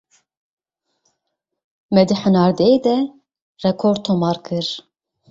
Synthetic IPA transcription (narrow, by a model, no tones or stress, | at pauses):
mɛd̪iħənɑːɾd̪ɛed̪ɛ | rɛkʰoːɾt̪ʰomɑːɾkʰɨɾ